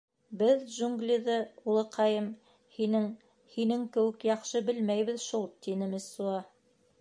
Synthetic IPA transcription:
bɘðʒuŋɡlʲiðɤulˠɤ̆qʰɑjɤm | hinɘŋ | hinɘŋkɘ̆wɘ̆kjɑχʃɤbɘlmæjβɘ̆ðʃulˠt̪inɘ̆mɘ̆suɑ

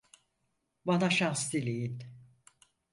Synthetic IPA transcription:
banaʃast̪ilʲejin

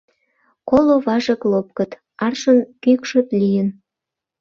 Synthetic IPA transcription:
koloβɑʒəklop̚kət̪ | ɑrʃənkykʃət̪lijən

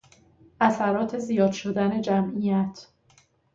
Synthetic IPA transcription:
ʔæsæɾɒːt̪ʰe̞zijɒːd̪ʃod̪æne̞d͡ʒæmʔijæt̪ʰ

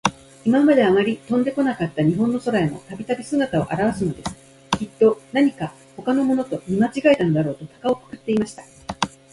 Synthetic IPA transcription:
imamad̪e̞amaɾʲit̪õ̞nd̪e̞ko̞nakat̪ːaɲ̟iɦõ̞nːo̞so̞ɾaeno̞̰t̪abʲit̪abʲisɨɡat̪ao̰ʔa̰ɾaβasɨno̞d̪e̞sɨ̥ | kʲit̪ːo̞naɲ̟ika | ho̞kano̞mo̞no̞t̪o̞ɲʲimat͡ɕiɡaet̪ano̞d̪aɾo̞ːt̪o̞t̪ḁkao̞kɯ̥kɯ̟t̪ːe̞imaɕi̥t̪ḁ

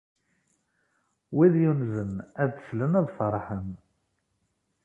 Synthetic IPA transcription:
wiðjunzənæðθslənæðˤfəɾˤħən

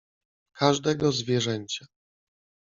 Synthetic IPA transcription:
kʰaʐd̪ɛɡɔzvʲjɛʐɛɲt͡ɕa

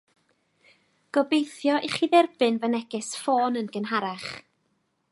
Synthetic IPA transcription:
ɡ̥ɔbejθjɔʔiχiðɛrb̥ɨnvənɛɡɪsfoːnənɡ̥ənɦaɾaχ

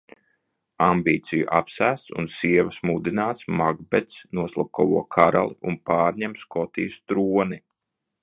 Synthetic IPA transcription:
ambiːt̪sijṵʔa̰psæːst̪sṵnsiɛvɐsmud̪inaːt̪smaɡbɛt̪snuɔslˠap̚kɔwuɔkʰaɾa̰lˠiunpaːɾɲɛmskɔt̪iːst̪ɾuɔni

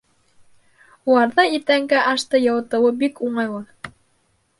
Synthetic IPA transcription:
ulˠɑɾðɑit̪æŋɡæʔɑʃt̪ɤjɤ̆wɤ̆t̪ɤ̆wɤbikuɴɑjwˠɤ

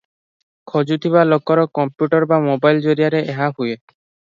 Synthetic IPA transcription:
kʰɔd͡ʒut̪ʰibalɔkːɔɾɔkɔmpjuʈɔɾbamobajld͡ʒoɾiaɾeʔeɦapuje

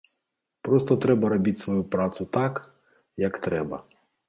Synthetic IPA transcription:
pɾɔst̪ɔt̪ɾɛbɐɾɐbʲitʲsʋɔjupɾɑt̪sʊt̪ɑk | jɐkt̪ɾɛbɐ̰

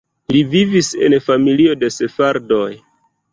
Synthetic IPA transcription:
livivise̞̰nfamilio̞de̞se̞faɾdo̞j

